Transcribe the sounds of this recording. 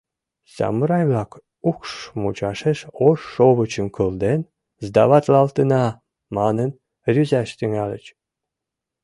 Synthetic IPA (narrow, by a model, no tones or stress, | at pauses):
sɑ̰mɨɾɑjvlɑk | ukʂmut͡ɕɑʃeʃoʃːoβə̆t͡ɕə̆mkʰəlˠd̪en | zd̪ɑβɑt̪lɑlt̪ənɑ | mɑnən | rʲyzæʃt̪yŋælʲə̰̆t͡ɕ